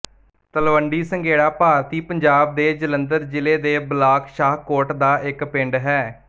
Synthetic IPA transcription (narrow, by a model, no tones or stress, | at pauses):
t̪əlʋəɳɖiːsəŋɡeːɽaːpaːɾt̪iːpəɲd͡ʒaːb̚d̪eːd͡ʒələnd̪əɾd͡ʒɪleːd̪eːblaːkʃaːɦkoːɾʈd̪aːʔɪkpɪɳɖɦɛː